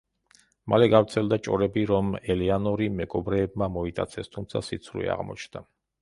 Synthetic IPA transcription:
malɛɡafɾt̪sʰɛld̪at͡ʃʼɔ̰ɾɛbiɾɔmɛlianɔɾimɛɡʼɔbɾɛːbmamɔit̪ʼat̪sʰɛst̪ʰumt̪sʰasit̪sʰɾṵḭa̰ʁmɔ̰t͡ʃʰnd̪a

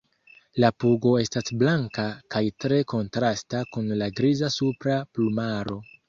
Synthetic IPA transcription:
lapuɡo̞e̞stasblaŋkakajtɾe̞ko̞ntɾastakunlaɡɾizasupɾaplumaɾo̞

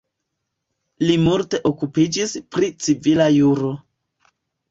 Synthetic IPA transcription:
limulte̞ʔo̞kupid͡ʒispɾit͡sivilajuɾo̞

